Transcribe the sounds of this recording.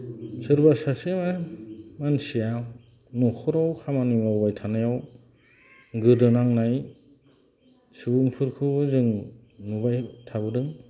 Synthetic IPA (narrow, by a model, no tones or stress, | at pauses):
sɯɾbasasemamansija | nukʰɯɾawkʰamanujmawbajtʰanajaw | ɡɯdɯnaŋnaj | subɯŋpʰɯɾkʰɯbɯzɯŋ | nubajtʰabɯdɯŋ